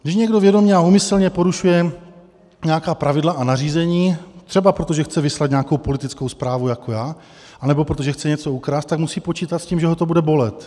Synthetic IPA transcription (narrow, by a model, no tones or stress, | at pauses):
ɡdɪʃɲɛɡdo̞vjɛdo̞mɲɛaumɪslɲɛpo̞ɾuʃujɛ | ɲɛjakaːpɾavɪdlaʔanariːzɛɲiːt̪r̥ɛbapɾot̪oʒɛxt͡sɛvɪslat̪ɲɛakowpo̞lɪt̪ɪt͡skowspɾaːvujako̞jaː | ʔanɛbo̞pɾot̪oʒɛxt͡sɛɲɛt͡so̞ukɾast̪ːakmusiːpo̞t͡ʃiːt̪at̪sciːmʒɛɦot̪o̞budɛbo̞lɛt̪